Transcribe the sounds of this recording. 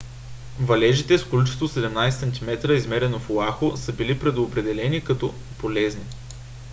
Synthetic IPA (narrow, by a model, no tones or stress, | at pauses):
vɐlɛʒit̪ɛskolʲit͡ʃɛ̥st̪osɛd̪ɛmnajsɛsɐnt̪ʲimɛt̪ɾəizmɛɾɛnoflˠaxosɤbilipɾɛd̪oːpɾɛd̪ɛlɛnikɐt̪ɔ | polɛzni